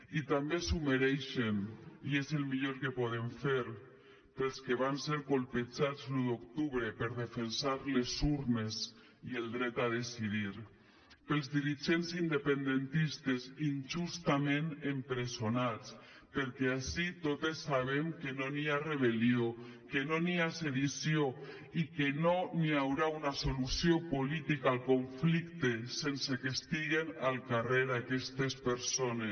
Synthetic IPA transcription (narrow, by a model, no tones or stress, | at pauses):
it̪ambesumeɾɛjʃemiezelˠmiʎoɾkepoð̞emfeɾ | pelˠskeβ̞anseɾkolˠped͡ʒad͡zlud̪okt̪uβɾepeɾðefensaɾlezuɾnes | ielˠd̪ɾɛt̪aðesið̞iɾ | pelˠzðiɾiʒensind̪epend̪ent̪ist̪ezinʒust̪amẽnempɾesonat͡s | peɾkeasit̪ot̪esːaβ̞emkenoniareβ̞eliokenoniaseðisjio | ikenoniawɾaunasolusiopolit̪ikaalˠkoɱflikt̪esensekest̪iɣenalˠkareðakɛst̪espeɾsones